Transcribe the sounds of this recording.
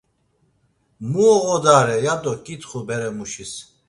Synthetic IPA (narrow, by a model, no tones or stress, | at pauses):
muʁɔd̪aɾɛjad̪ɔkʼit̪χubɛɾɛmuʃis